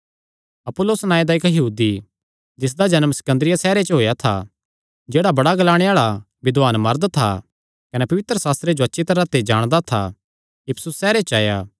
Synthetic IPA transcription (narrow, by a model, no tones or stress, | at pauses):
ɐpʊlːoːsnãːẽd̪aɪkjɐɦuːd̪i | d͡ʒɪs̬d̪ad͡ʒɐnəmsɐ̥kə̃nd̪ɾɪjasɛːɾet͡ʃɦoːjat̪ʰa̰ | d͡ʒeːɽabɐɽaɡɐlaːɽ̃eaːɭa | ʋɪd̪aːnmɐɾd̪t̪ʰa̰ | kɐnɛpɐʋɪt̪ɾəsaːst̪ɾed͡ʒoɐtːʃʰit̪ɐɾãt̪ed͡ʒaːɽ̃d̪at̪ʰa̰ | ɪpʰsʊsːɛːɾet͡ʃaːjaː